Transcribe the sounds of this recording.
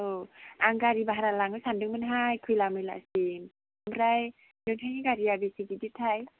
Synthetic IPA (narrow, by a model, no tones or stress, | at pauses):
oaŋɡaɾibaɦaɾalaŋɯjsandɯk̚mɯnɦajkʰɯjlamɯjla̰ʔsim | amɾaj | nɯnhʰajiɡaɾiabesididitʰaj